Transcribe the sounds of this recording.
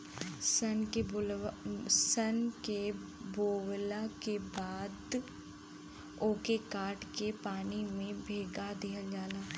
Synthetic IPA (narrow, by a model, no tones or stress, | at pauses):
səne | sənke | boːwlakebaːd̪ | oːkekaːʈkepaːnimẽbʱeːɡad̪eːɦəld͡ʒaːlaː